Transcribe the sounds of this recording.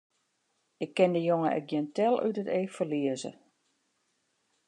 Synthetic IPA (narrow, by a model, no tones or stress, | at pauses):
ɪkːɪndəjoŋə̰ʔɛ̰k̚ɡjiəntɛlˠy̰təteːfərliəzə̰